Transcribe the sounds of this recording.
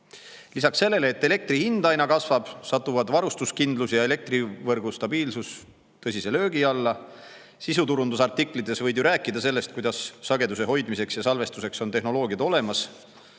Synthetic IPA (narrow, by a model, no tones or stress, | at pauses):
lisɑksːe̞lːe̞leːt̪ːe̞le̞k̚t̪ɾihind̪̥ɑjnɑkɑsvɑb̥sɑt̪ːuvɑd̪vɑɾust̪uskind̪lusjɑe̞le̞k̚t̪rivɤrɡ̥ust̪ɑbiːlsus | t̪ɤsʲise̞lø̞ːɡiɑlːɑ | sisut̪uɾund̪usɑrt̪ikˑlit̪ːˑe̞svɤjd̪juɾæːkːˑid̪ɑse̞lːe̞st̪̚kujd̪̥ɑsːɑɡe̞d̪use̞ɦo̞jd̪mise̞ksjɑsɑlve̞st̪use̞kso̞nt̪e̞ɦno̞lo̞ːɡiɑt̪o̞le̞mɑs